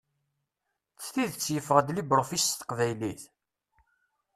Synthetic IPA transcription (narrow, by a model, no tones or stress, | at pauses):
t͡sːθiðt͡sːjəfəʁəd̪libɾfist̪ə̥qvæjliθ